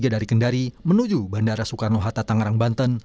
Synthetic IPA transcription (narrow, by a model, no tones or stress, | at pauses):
ɡadaɾikəndaɾimənud͡ʒubandaɾasukarnoɦat̪at̪aŋaɾaŋbant̪ən